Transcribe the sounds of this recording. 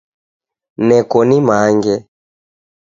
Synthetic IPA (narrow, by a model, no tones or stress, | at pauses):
nɛkɔnimaŋɡɛ